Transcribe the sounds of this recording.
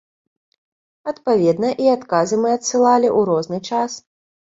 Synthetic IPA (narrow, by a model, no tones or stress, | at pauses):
ɐt̪pavʲɛd̪nɐʔiat̪kazɨmɨɐt̪sɨlˠalʲiʔuɾɔznɨt͡ʂas